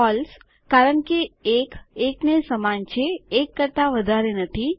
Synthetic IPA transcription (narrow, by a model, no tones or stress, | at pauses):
ɔːls | kaːɾəɳkieːkeːknesəmaːnt͡ʃʰeːkːəɾt̪aʋəd̪ʱaɾenɐt̪ʰi